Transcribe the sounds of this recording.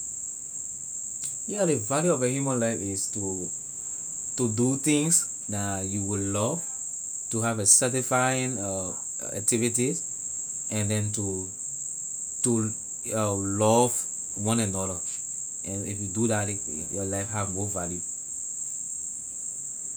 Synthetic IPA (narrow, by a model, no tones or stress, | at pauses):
jadevaljuɔvjəhjumə̃nlaɪfɪstu | tudut̪ĩŋs | dajuwulɔv̥ | tuɦavesɛtifajĩn | a̰k̚tivitiz | ɛ̃ndɛ̃ntu | tu | ʌlɔv | wɔ̃nɛ̃nɔdə | ɛ̃nifjuduðat | jɔlaɪfhavmovalju